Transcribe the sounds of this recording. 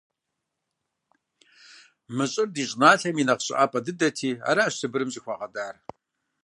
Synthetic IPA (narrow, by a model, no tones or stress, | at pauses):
mɨɕʼɪrdiːɕʼnaːɬɐminɐqɕʼɪ̰ʔaːpʼɐdɨdɐtʰiːa̰ːɾaɕsʰɨbɨɾɨmzʼiːxʷɑːʁɐdaːr